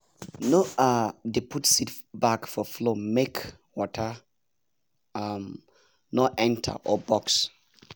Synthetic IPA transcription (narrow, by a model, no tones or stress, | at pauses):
noadepʰutsitbakfɔflomek | wɔtʰə | am | nɔʔɛ̃ntʰə̰ʔɔbɔks